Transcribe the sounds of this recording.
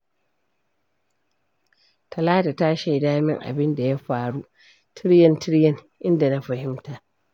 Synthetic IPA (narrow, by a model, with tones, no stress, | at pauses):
tʰɐ˨laː˦ta˨ta˦ʃe˨jdaː˦mɪ˦ŋʔa̰˨bɪ˦nda˨ja˦ɸaː˨ɽu˦ | tʰɪ˦ɽjɐ˦ntʰɪ˦ɽjɛ˦˨ŋ | ʔɪ˦nda˨na˦ɸɐ˨hɪ˦mtaː˨ʔ